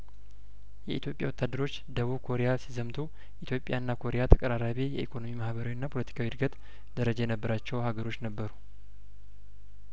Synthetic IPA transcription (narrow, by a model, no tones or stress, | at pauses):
jɛʔit̪jo̞pʼjawɔt̪ʰːad̪ːəɾo̞t͡ʃːd̪əβuβkʰo̞ɾejasizəmt̪ʰu | ʔit̪jo̞pʼja̰nːakʰo̞ɾejat̪ʰəkʼəɾaɾaβejɛʔikʰo̞no̞mimahβəɾawinːapʰo̞lət̪ʰi̥kʰawiɾɡət̪ | d̪əɾəd͡ʒajɛnəbːəɾat͡ʃːɛwhaɡəɾo̞t͡ʃːnəbːəɾu